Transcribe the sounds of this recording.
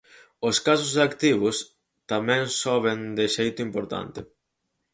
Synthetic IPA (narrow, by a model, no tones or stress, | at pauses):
oskas̬ʊzðakt̪iβ̞ʊs | t̪amɛ̃ŋsɔβ̞end̪eʃejt̪ʊimpoɾt̪a̰nt̪ɪ